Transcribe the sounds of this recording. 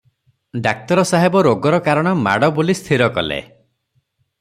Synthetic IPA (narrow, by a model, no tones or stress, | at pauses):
ɖak̚t̪ɔɾɔsaɦebɔɾoɡɔɾɔkaɾɔɽ̃ɔma̰ɽɔbolist̪ʰiɾɔkɔ̰lḛ